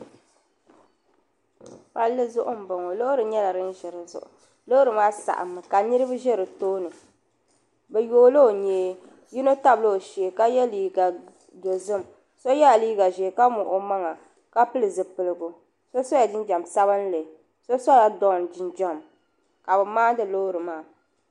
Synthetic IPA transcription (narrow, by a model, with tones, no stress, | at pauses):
pa˦lːɨ˦zʊ˦ʔʊ˦m̩˨ba˨ŋo˨lo˦ʔʊ˦ɾɨ˨ɲɛ˦la˨ɾɨ˦n˦ʒɛ˨ɾɨ˨zʊ̰˨ʔʊ̰˨ | lo˦ɾɨ˨maː˦sa̰˨ʔa̰˨mːɨ˨ka˨nɨ˦ɾɨ˦bɨ˦ʒɛ˦ɾɨ˨toː˦nɨ˨ | bɛ˨joː˦lo˦o˨ɲeː˨˦ | ji˦no˦ta˦bɨ˦lo˦o˨ʃi˨e˨ka˦jɛ˦liː˨ɡa˨ | do˨zɨ˦˨m | so˦jɛ˦a˨liː˦ɡa˨ʒeː˨ka˦mʊ˨ʔo˦ma˦ŋa˨ | ka˦pɨ˦lɨ˨zɨ˨pɨ˨lɨ˨ɡʊ˨ | so˦so˦ja˨dɪ˦nd͡ʒa˨msa˦βɨ˦n˦le˨ | so˦sa˦la˨dɔ˦n˨d͡ʒɪ˨nd͡ʒa˦m | ka˨bɨ˨maː˦dɨ˦lo˦ɾɨ˨maː˦˨